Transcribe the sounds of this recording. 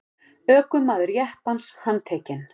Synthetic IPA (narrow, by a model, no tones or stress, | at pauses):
œːkʏmmːaːðʏɾjɛhpanshanːt̪ʰɛːcɪn